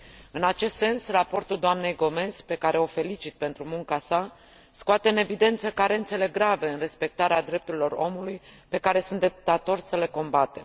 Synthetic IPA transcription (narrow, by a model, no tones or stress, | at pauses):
ɨnat͡ʃe̞st̪se̞nsrapo̞rt̪uld̪oamne̞jɡo̞me̞zpe̞kaɾe̞o̞fe̞lit͡ʃit̪̚pe̞nt̪ɾumuŋkasa | skoat̪e̞ɨne̞vid̪e̞nt̪səkaɾe̞nt̪se̞le̞ɡɾave̞ɨnre̞spe̞k̚t̪aɾead̪ɾe̞p̚t̪uɾilo̞ro̞̰mulujpe̞kaɾe̞sunt̪d̪eput̪at̪o̞rʲsəle̞ko̞mbat̪e̞m